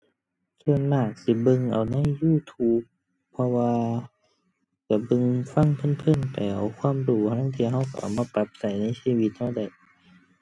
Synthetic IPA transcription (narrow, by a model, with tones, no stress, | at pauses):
kʰɯ˧ənlaː˧˩k̚si˧˦bɤ˧ŋʔa˨˩wna˧˥˨jːuː˧˨t̪ʰuː˧˦˥p̚ʰː | ɔ˧waː˧ | ka˧˩bɤ˧ŋfa˧˥˨ŋpʰɤ˧˥˨npʰɯ˧˥˨npa˨˩jʔa̰˨˩wkʰwaː˧˥˨mduː˧˩pʰa˧na˧˥˨t̪ʰi˧˨hɦa˧˩wka˧˩ʔa̰˨˩wmaː˧˨pa˧˦p̚sa˨˩jna˧˥˨jsiː˧˨wi˧˦t̪̚ha˧˩˨wda˧˨˩j